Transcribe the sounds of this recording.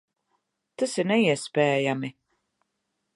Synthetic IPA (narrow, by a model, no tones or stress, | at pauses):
t̪asiɾnɛiɛspɛːjami